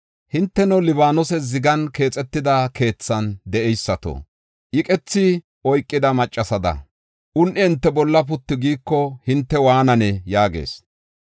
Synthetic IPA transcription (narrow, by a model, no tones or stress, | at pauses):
hɪnt̪ːɛnɐlɪbaːnɔsɛzɪɡɐnke̞ːt͡sʼɛt̪ːɪd̪ɐkʰe̞ːt͡sːɐnd̪ɛʔɛjsːɐt̪o̰ | ʔɪkʼɛt͡sːɪ | ʔɔjkʼːɪd̪ɐmɐt͡ʃʼːɐsɐd̪ɐ̰ | ʔʊnʔɪhɪnt̪ːɛbɔlːɐpʊt̪ːɪɡiːkːɔhɪnt̪ːɛwaːnɐnɛjaːɡḛːs